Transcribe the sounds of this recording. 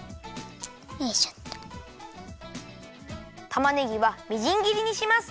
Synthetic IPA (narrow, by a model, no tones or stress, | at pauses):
eɕʌ̥t | t̪amaneiwamid͡ʑiŋɡiɾiɲiɕʰimas